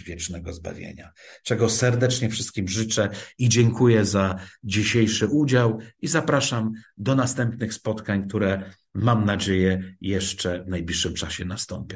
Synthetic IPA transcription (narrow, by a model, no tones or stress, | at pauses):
vʲjɛt͡ʂnɛɡɔzba̰vʲjḛɲa̰t͡ʂɛɡɔsɛɾd̪ɛt͡ʂɲɛfʂɘst̪kʲimʐɘt͡ʂɛid͡ʑɛŋkʰujɛzad͡ʑiɕejʂɘʔud͡ʑawizapɾaʂamd̪ɔnast̪ɛmpnɘxspɔt̪kaɲk̚t̪uɾɛ | mamnad͡ʑejɛjɛʂt͡ʂɛvnajblʲiʂːɘmt͡ʂaɕɛnast̪ɔmpʲjɔ̃w